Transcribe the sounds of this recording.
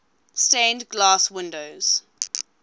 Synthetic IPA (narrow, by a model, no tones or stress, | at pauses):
stæ̃ndɡlɑːswɪ̃ndoʊz̥